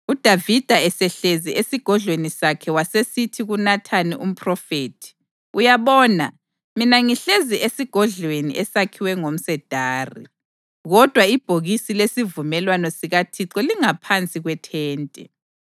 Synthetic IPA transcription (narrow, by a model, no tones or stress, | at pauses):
ud̥ʱavid̥ʱaɛsɛɬeziʔesiɡ̥ʱɔɮwenisakʰɛwasesitʰiɣunatʰaniʔum̩pʰʼrɔfeːtʰi̥ | ujaβɔːna̰ | minaŋiɬeziʔesiɡ̥ʱɔɮwenḭʔɛsakʰiwɛŋom̩sɛd̥ʱaːrḭ | ɣɔd̥ʱwaib̥ʱoɣisilesivumɛlwanɔsiɣatʰiǁɔliŋapʰant͡sʼiɣwɛtʰɛːntʼɛ